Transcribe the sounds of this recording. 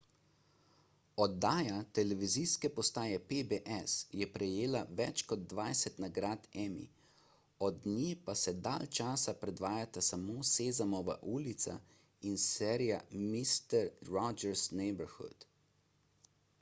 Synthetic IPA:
ɔd̪ːaːjat̪ɛlɛʋiziskɛpɔst̪aːjɛpebeʔɛsjɛpɾɛjeːlaʋɛt͡ʃkɔd̪̚d̪ʋajsɛt̪naɡɾaːt̪ɛmḭ | ɔd̪nipasɛd̪alt͡ʃaːsapɾɛd̪ʋaːjat̪asamoːseːzamɔʋa̰ʔuːlit̪sa̰ | insɛɾijamist̪ɛɾːɔd͡ʒɛɾsnɛjbəɾxṵt̪

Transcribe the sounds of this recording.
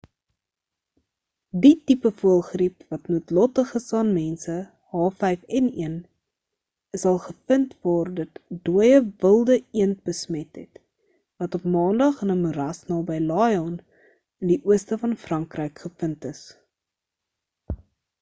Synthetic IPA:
ditipəfuəlˠχripvɐtnuətlɔtəχəsɑːnmɛnsə | hɑːfɛjfɛniən | əsɐlˠχəfəntvɑːrdətduəjəvəlˠdəiənt̚bəsmɛtɦɛt | vɐtɔpmɑːndɐχənəmuɾɐsnɑːbɛjlɑːjɔn | əndiʔuəstəfɐnfrɐŋkrəjkχəfəntəs

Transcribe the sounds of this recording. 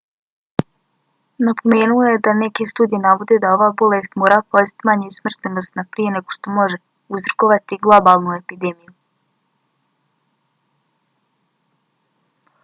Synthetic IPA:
napo̞me̞ːnuojed̪ane̞ke̞st̪uːd̪ije̞naʋo̞d̪ed̪ao̞ʋaːbo̞lest̪moːɾaːpozit̪maɲesmr̩t̪nenost̪napɾije̞ne̞ɡo̞ʃt̪o̞mo̞ʒe̞ | uzɾokoʋat̪iɡlˠo̞baːlˠnue̞pid̪e̞miju

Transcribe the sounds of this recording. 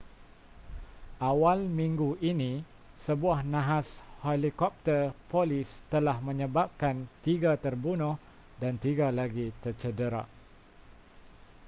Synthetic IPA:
ʔawalmĩŋɡuʔinĩ | səbuahnãɦashelikɔp̚t̪ərpolist̪əlahmə̃ɲə̃bap̚kant̪iɡat̪ərbunʊh | dant̪iɡalaɡit̪ərt͡ʃədəɾa̰ʔ

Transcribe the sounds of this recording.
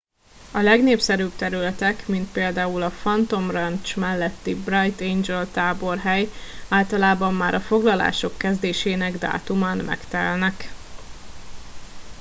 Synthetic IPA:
ɒlɛɡneːpsɛɾyːbt̪ɛɾylɛt̪ɛkmint̪̚peːld̪aːulɒfɒnt̪o̞mrɛnt͡ʃmɛlːɛt̪ːibrɒjt̪end͡ʒɛlt̪aːbo̞rɦɛjaːlt̪ɒlaːbɒmːaːɾʔɒfo̞ɡlɒla̰ːʃo̞kːɛzd̪eːʃeːnɛɡd̪a̰ːt̪umaːnmɛ̰kt̪ɛ̰lnɛk

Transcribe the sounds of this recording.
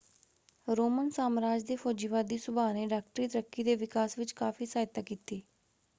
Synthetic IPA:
ɾoːmənsaːmɾaːd͡ʒd̪eːpʰoːd͡ʒiːʋaːd̪iːsʊbaːneːɖaːk̚ʈɾiːt̪əɾəkːiːd̪eːʋɪkaːsʋɪt͡ʃkaːfʰiːsaːjt̪aːkiːt̪iː

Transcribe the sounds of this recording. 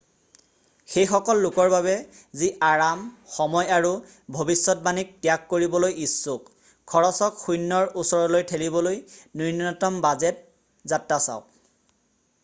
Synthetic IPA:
xejxɔkɔlːʊkɔɹbaβɛ | ziʔaɹamxɔmɔjaɹu | bʱobisːɔt̚banik̚tjakːoɹibɔlojisːuk | kʰɔɹɔsɔkxujnːɔɹusɔɹɔlojtʰelibɔlojninɔtɔmbazɛt̚ | zatːasa̰ʊk

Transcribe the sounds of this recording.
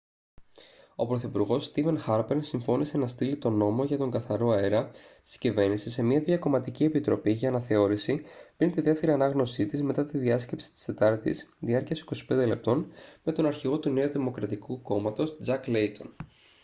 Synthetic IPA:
o̞pɾo̞θipuɾɣo̞sːt̪ive̞nxɐɾpeɾnsiɱfo̞nise̞nɐst̪ilit̪o̞no̞mo̞ʝɐt̪o̞ŋɡɐθɐɾo̞e̞ɾɐst̪i̥scive̞ɾnisise̞miɐðiɐko̞mɐt̪icie̞pit̪ɾo̞piʝɐːnɐθe̞o̞ɾisipɾint̪iðeft̪e̞ɾiɐnɐɣno̞sit̪izme̞t̪ɐt̪iðiɐsce̞psi̥t̪i̥st̪e̞t̪ɐɾt̪ḭsðiɐɾciɐsi̥ko̞si̥pe̞nd̪e̞le̞p̚t̪o̞nme̞t̪o̞nɐɾçiɣo̞t̪uneoðimo̞kɾɐt̪ikuko̞mɐt̪o̞sd͡zɐklejt̪ʰo̞̰n

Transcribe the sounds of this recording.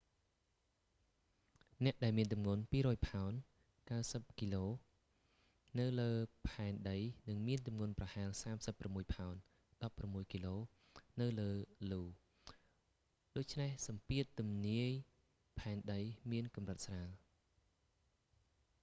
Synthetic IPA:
nɛ̆əʔɗaɛlmiənt̪umŋuənpiːɾɔːjpʰaɔn | kawsəp̚kiloː | nɨwləːpʰaɛnɗəjnɨŋmiənt̪umŋŭənprɑhaɛlsaːmsəpːramːuəjpʰaɔn | ɗɑpːramːuəjkiloː | nɨwləːluː | ɗoːc̚t͡ɕʰnehsɑmpiət̪ːumniəj | pʰaɛnɗəjmiənkɑmrət̪̚sraːl

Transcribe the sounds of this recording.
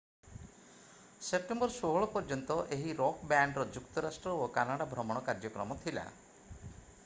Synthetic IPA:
sep̚ʈembɔɾsoɦɔɭɔpɔɾd͡ʒɔnt̪ɔʔeɦiɾɔkbaɳɖɾɔd͡ʒukt̪ɔɾasʈɾɔokanaɽabʱɾɔmɔɽ̃ɔkaɾd͡ʒɔkɾɔmɔt̪ʰila̰

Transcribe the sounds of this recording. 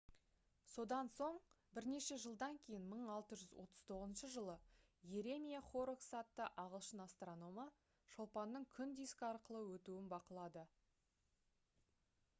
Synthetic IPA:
so̞d̪ɑnso̞ɴ | bɪɾne̞ʃe̞ʒəlˠd̪ɑŋkʲʰe̞jɪnməɴɑlˠt̪əʒʏzwʔo̞̰t̪ʰəz̥t̪ʰo̞ʁəzənʃəʒəlˠə | jeɾe̞mʲijaχo̞ɾoksɑt̪ːəʔɑʁəlˠʃənast̪rono̞mɑ | ʃolˠpɑnːəɴkʲʰʏnd̪ijskɑɾqəlˠəwɵt̪uɪnbɑqəlˠɑd̪ə

